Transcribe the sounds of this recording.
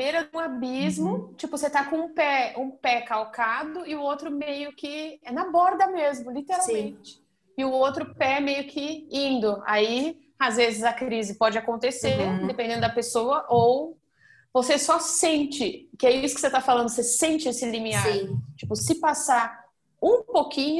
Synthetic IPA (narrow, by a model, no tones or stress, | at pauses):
beɾɐũabizmʊt͡ʃipʊset̪akõũpɛũpɛkawkad̪ʊɪʊowt̪ɾʊmejʊkɪɛnɐbɔɾd̪ɐmezmʊlit̪eɾawmmẽt͡ʃɪ̥ | ɪʊowt̪ɾʊpɛmejʊkʰɪĩnd̪ʊa̰i | azvezɪzɐkɾizɪpɔd͡ʒɪakõnt̪eseɾ̃d̪epẽnd̪ẽnʊd̪ɐpesoɐʔow | vosesɔsẽnt͡ʃɪkɪɛiisʊkɪ̥set̪afalɐ̃nd̪ʊsesẽnt͡ʃɪesɪlimiaiɾ̃t͡ʃipʊsɪpasaɾ | ũpokĩɲʊ